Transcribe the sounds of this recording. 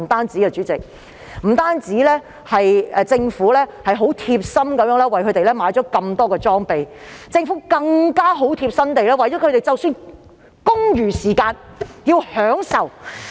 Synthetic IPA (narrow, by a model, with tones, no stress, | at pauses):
t̪aː˥nt͡siː˨˥kɛ˧t͡ʃyː˨˥t͡sɪ˨k̚ | m̩˨˩t̪aː˥nt͡siː˨˥lɛː˥ | hɐ˨jt͡sɪ˧ŋfuː˨˥lɛː˥hɐ˨jɦo˨˥wt̪ʰiː˧p̚sɐ˥mkɐ˨˥mjœː˨˧˥ŋlɛː˥wɐ˨jkʰɵ˨˧˥t̪e˨jlɛː˥maː˨˥jt͡ʃɔː˨˥kɐ˧mt̪ɔː˥kɛː˧t͡sɔː˥ŋpe˨jt͡sɪ˧ŋfuː˨˥kɐ˧ŋkaː˥ɦo˨˥wt̪ʰiː˧p̚sɐ˥nt̪e˨jlɛː˥wɐ˨˩jt͡ɕɔː˨˥kʰɵ˨˧˥ɾe˨˩jt͡sɐ˨wsyː˧n | kʊ˥ŋjyː˨˩siː˨˩kaː˧njiː˧whœː˨˥ŋsɐ˨˩w